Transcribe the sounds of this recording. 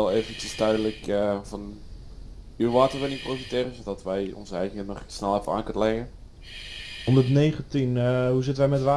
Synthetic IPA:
ɛlˠeːvəntəstœɥdələkəvɑn | yʋaːtərʋɪniprofitɪːrəzodɑtʋɛjɔ̰nzəɛjɣənəχsnɛlˠɛfəa̰ːnkønəlɛɣə | ɔndərtnejχəntinɦuzɪtənʋɛjmɛtʋaː

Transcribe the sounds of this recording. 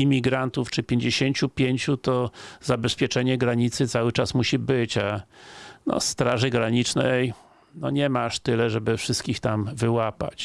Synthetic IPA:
imʲiɡɾant̪uft͡ʂɘpʲjeɲd͡ʑeɕeɲt͡ɕupʲjeɲt͡ɕut̪ɔzabɛspʲjɛt͡ʂɛɲɛɡɾaɲit̪sɘt̪sawɘt͡ʂasmuɕibɘt͡ɕa | nɔ̰st̪ɾaʐɘɡɾaɲit͡ʂnɛj | nɔ̰ɲɛmaʂt̪ɘlɛʐɛbɘfʂɘst̪kʲixt̪amvɘwapa̰t͡ɕ

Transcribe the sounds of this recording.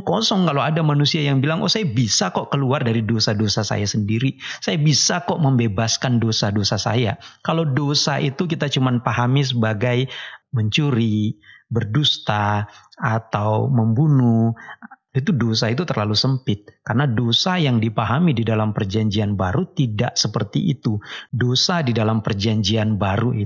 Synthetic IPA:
kɔsɔŋkaloadamanusiajaŋbilaŋwʔa̰sajabisakɔʔkəluardaɾidosadosasa̰jasəndiɾisajabisakɔʔməmbebaskandosadosasa̰jakalowdosaʔit̪uk̬it̪at͡ʃumanpaɦamis̬əbaɡajməɲt͡ʃuɾibərdust̪aat̪awməmbunu | it̪̬udos̬ait̪̬ut̪ərlalusəmpɪt̪̚karənadosajaŋdipaɦamididalampərd͡ʒaɲd͡ʒianbaɾut̪ida̰ʔsəpərt̪ḭʔḭt̪udosadidalampərd͡ʒaɲd͡ʒianbaɾuʔi

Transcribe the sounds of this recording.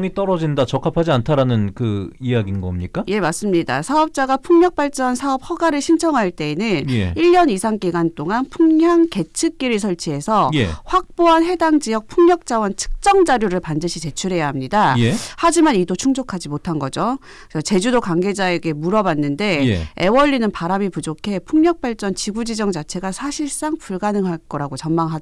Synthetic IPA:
ŋit͈ʌɾʌd͡ʑindat͡ɕʌkʰapʰad͡ʑiantʰaɾanɯnkɯiaɡinɡʌmɲik͈aje̞mas͈ɯmɲidasʰaʌp̚t͡ɕ͈aɡapʰuŋɲʌk̚p͈aɭt͡ɕ͈ʌnsʰaʌp̚hʌɡaɾɯɭɕʰint͡ɕʰʌŋɦaɭt͈e̞ːnɯnjeiʎːʌnisʰaŋk͈iɡant͈oŋanpʰuŋɦjaŋke̞t͡ɕʰɯk̚k͈iɾɯɭs̬ʰʌɭt͡ɕʰiɦe̞sʰʌjḛɸwak̚p͈oɦanɦe̞daŋd͡ʑijʌk̚pʰuŋɲʌk̚t͡ɕ͈awʌnt͡ɕʰɯ̥k̚t͡ɕ͈ʌŋd͡ʑaɾjoɾɯɭpandɯɕʰit͡ɕe̞t͡ɕʰuɾe̞jaɦamɲidajehad͡ʑimanidot͡ɕʰuŋd͡ʑokʰad͡ʑimotʰanɡʌd͡ʑo | ʌt͡ɕe̞d͡ʑudokaŋɡe̞d͡ʑae̞ɡe̞muɾʌbanːɯnde̞jeewʌʎːinɯnpaɾamipud͡ʑokʰe̞pʰuŋɲʌk̚p͈aɭt͡ɕ͈ʌnt͡ɕiɡud͡ʑid͡ʑʌŋd͡ʑat͡ɕʰe̞ɡasʰaɕʰiɭs͈aŋpuɭɡanɯŋɦaɭk͈ʌɾaɡot͡ɕʌnmaŋɦad

